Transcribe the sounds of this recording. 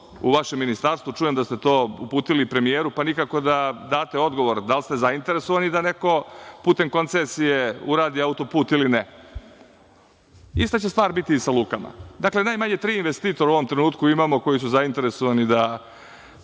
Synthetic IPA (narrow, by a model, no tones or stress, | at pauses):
ṵʋaʃemːinist̪aːɾst̪vut͡ʂuje̞md̪ast̪et̪o̞ːṵpuːt̪ilipɾe̞mijeːɾupanikako̞d̪ad̪aːt̪e̞o̞d̪ɡo̞ʋo̞ɾd̪alst̪ezaint̪e̞ɾesoʋanid̪aneko̞puːt̪e̞mko̞nt̪sesijeuɾaːd̪iaut̪o̞puːt̪iline | ist̪at͡ɕest̪ʋaːɾbit̪iːsaluːkama̰d̪akle̞najmaɲet̪ɾiːinʋest̪iːt̪oɾauo̞ʋo̞mt̪ɾenuːt̪kuimaːmoko̞jis̬uzaint̪e̞ɾesoʋanid̪a